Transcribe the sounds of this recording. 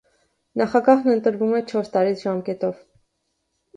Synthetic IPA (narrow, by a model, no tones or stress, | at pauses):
nɑχɑɡɑɦnənt̪əɾvumɛt͡ʃʰɔɾst̪ɑɾit͡sʰʒɑmkɛt̪ɔv